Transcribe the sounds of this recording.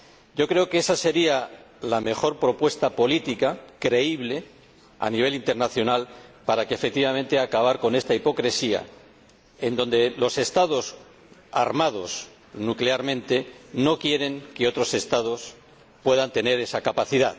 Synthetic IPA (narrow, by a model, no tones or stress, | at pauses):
ɟ͡ʝo̞kɾe̞o̞kee̞sase̞ɾia | lame̞xo̞ɾpɾo̞pwe̞st̪apo̞lit̪ikakɾe̞iβ̞le̞ | a̰niβ̞e̞lint̪e̞ɾnaθjo̞nalpaɾakefe̞k̚t̪iβamẽ̞nt̪e̞akaβ̞aɾko̞ne̞st̪aipo̞kɾe̞sia̰ | e̞nd̪õ̞nd̪e̞lo̞se̞st̪aðo̞s | a̰ɾmaðo̞s | nukleaɾmẽ̞nt̪e̞no̞kje̞ɾe̞ŋke̞o̞t̪ɾo̞se̞st̪að̞o̞s | pwe̞ðant̪e̞ne̞ɾe̞sakapaθiðað